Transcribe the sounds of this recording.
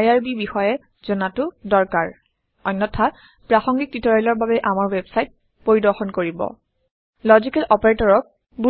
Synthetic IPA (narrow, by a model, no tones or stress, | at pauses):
jaɹbibixɔjɛ | zɔnatʊdɔɹkaɹ | ɔjnːɔtʰa | pɹaxɔŋɡik̚titɔɹɔlɔɹbabɛʔamaɹwɛbsajt̚ | poɹidɔɹxɔnkoɹibɔ̰ | lɔzikɛlɔpaɹetɔɹɔk̚ | bu